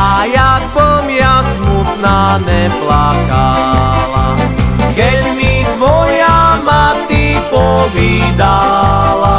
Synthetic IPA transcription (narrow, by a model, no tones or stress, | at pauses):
ajakkɔmjasmut̪naːnɛplakalakɛdmit̪ʋɔjamat̪ipɔʋiːd̪ala